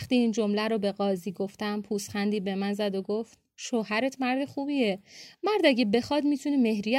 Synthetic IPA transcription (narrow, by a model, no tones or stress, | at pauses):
xt̪iːiːnd͡ʒo̞mlæɾobe̞ɣɒːziːɡoft̪æmpʰuːstχænd̪iːbe̞mænzæd̪oɡoft̪ | ʃoːhæɾet̪ʰmæɾd̪exuːbiemæɾd̪æɟebe̞xɒd̪miːt̪ʰuneme̞hɾij